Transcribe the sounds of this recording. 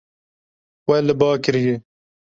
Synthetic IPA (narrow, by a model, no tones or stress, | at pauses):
wɛlɨbɑːkɨɾije